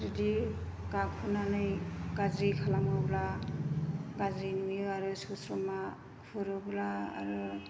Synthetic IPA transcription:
zidi | kakʰunanɯjkazɾikʰalamɯbla | ɡazɾinmiɯaɾɯsusɾɔma | kʰɯɾɯblaa̰ɾɯ

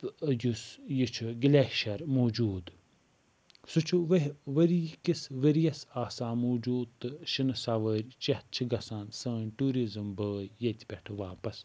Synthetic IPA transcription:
jusjit͡ʃʰuɡlʲeʃɐɾmoːd͡ʒuːd̪ | sut͡ʃʰuʋɐɦʋəɾikisʋəɾjɐsaːsaːmoːd͡ʒuːd̪t̪ːɨʃinɨsaʋəɾʲt͡ʃɐht̪̚t͡ʃʰiɡɐsaːnsɐːnʲʈuːɾizɨmbəːjːɐt̪ʲpʲɐʈʰɨʋaːpɐs

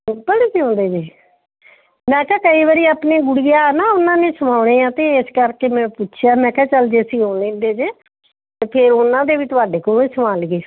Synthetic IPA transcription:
pəɽeːsiːõːnd̪eːd͡ʒiː | mɛ̃ːkɛːkəiːʋəɾiːaːpneːɡʊɽijaːnaːʊnãːnẽːsəmaːʊɽ̃ẽːãːt̪eːeskəɾkeːmɛ̃ːpʊtːt͡ʃʰjaːmɛ̃ːkɛːt͡ʃəld͡ʒeːsiːɦõːnlẽːnd̪eːd͡ʒeː | t̪eːpʰɪɾʊnãːd̪eːʋiːt̪ʊaːɖeːkoːneːsəmaːlɡeː

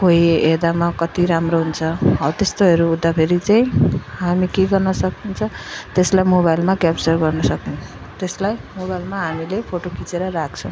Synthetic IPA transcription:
kojed̪amakʌt̪iɾamroɦunt͡sʰʌɦʌt̪est̪oɦʌɾuːd̪ːapʰeɾit͡saĩɦamikeɡʌrnʌsʌkint͡sʰʌt̪eslajmoβajlmakjapt͡sʌrɡʌrnʌsʌknũ | t̪eslajmobajlmaɦamilepʰoʈokʰit͡seɾʌɾak̚ʰt͡sʰʌ̃w̃

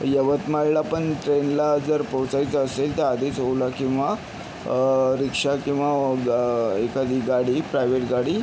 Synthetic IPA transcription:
jəʋət̪maɭlapəɳʈɾenlad͡zəɾpəwt͡sajt͡səselt̪ead̪ʱet͡sowlakĩw̃ʋa | ɾikʂakĩw̃ʋa | ekad̪iːɡaɽiːpɾajʋeʈɡaɽiː

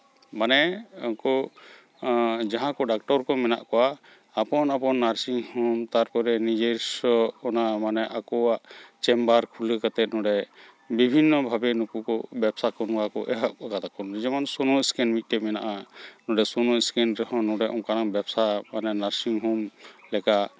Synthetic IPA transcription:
manɛɔkɔ | d͡ʒaɦãkɔɖak̚ʈɔɾkɔmɛna̰ʔkɔwaː | pɔnapɔnːaɾsiŋhɔmt̪aɾpɔɾɛnid͡ʒeɾsɔːnamanɛʔakɔaʔt͡ʃɛmbaɾkʰuləkat̪ɛt̪̚ˀnɔɖɛ | bibʱinːɔbʱabɛnukukɔbɛbsakɔnkakɔ̰ʔɛ̰ɦaʔkat̪akɔnd͡ʒɛmansunɔɛskɛnmit̪̚ˀʈɛmɛnaʔanɔɖɛsɔnɔskɛnɾɛɦɔ̃nɔɽɛʔɔmkanaŋbɛbsamanɛnaɾsiŋɦɔmlɛkaʔ

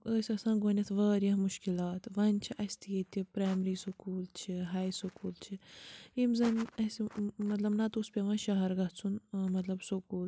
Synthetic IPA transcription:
əːsʲɐsãːɡoːnʲɐt̪ʰʋɐːɾjɐɦmuʃkilaːt̪ʋɐnʲt͡ʃʰiʔɐsʲt̪ʰijet̪ʲipɾaːjmɾiːsukuːlt͡ʃʰiɦaːjsokuːlt͡ʃʰiimzɐnɐsimɐt̪lɐbnɐt̪uspʲeʋãːʃɐɦɐɾɡɐɦt͡sʰunmɐt̪lɐbsokuːl

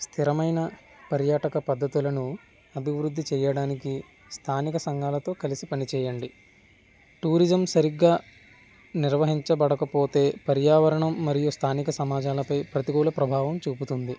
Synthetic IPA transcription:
st̪ʰiɾɐmɐjnɐ | pɐɾjaːʈɐkɐpɐd̪ʱːɐt̪ulɐnu | ɐbʱiʋɾud̪ʱːit͡ʃɛːjɐɽaːniki | st̪ʰaːnikɐsɐŋɡaːlɐt̪o̞ːkɐlisipɐnit͡ʃɛːjɐɳɖi | ʈuːɾid͡ʒɐmsɐɾiɡːaː | niɾʋɐɦiɲt͡ʃɐbɐɽɐkɐpo̞ːt̪e̞ːpɐɾjaːʋɐɾɐɳɐmːɐɾijust̪ʰaːnikɐsɐmaːd͡ʒaːlɐpɐjpɾɐt̪iɡuːlɐpɾɐbʱaːʋɐmt͡ʃuːput̪und̪i

